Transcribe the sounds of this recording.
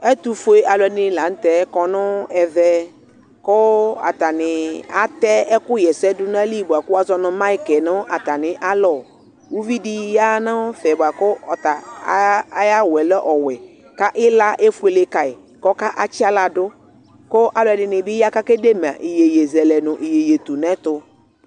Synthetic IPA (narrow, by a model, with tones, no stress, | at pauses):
ɛ˦t̪u˨fo˦e˦ʔa˨lɔ˨ɛ˨nɪ˨la˨n̩˦t̪ɛ˨˦kɔ˨nʊ˦ɛ˨vɛ˦ | kʊ˦a̰˨t̪a˨nɪ˨a̰˦t̪ɛ˦ɛ˦kʊ˦jɛ˨sɛ˦dʊ˦n˦ã˦li˦˨bʊ˨a˨kʊ˦a˦zɔ˦nʊ̃˨ma˦i˦kɛ˨nʊ̃˦ʔa˨t̪a˨nɪ˨ʔa˦lɔ˨ | wu˦vi˦di˦ja˦nã˦fɛ˨bʊ˨a˨kʊ˦ɔ˨t̪a˨˦ | ja˦wɛ˨lɛ˦ʔɔ˨wɛ˨ | ka˦ʔɪ˦la˦ʔe˦fu˦e˨le˦ka˨ɪ˨ | kɔ˦ka˦ʔa˦t͡ʃɪ˦a˦la˨dʊ˦ | kʊ˦ʔa˨lʊ˨˦ɛ˨dɪ˨nɪ˨bɪ˦ja˦ka˦ke˦de˦m˨a̰˨ʔɪ˨je˨je˨zɛ˨lɛ˨nʊ̃˨ʔi˨je˨je˨t̪u˨nɛ̃˦t̪ʊ˦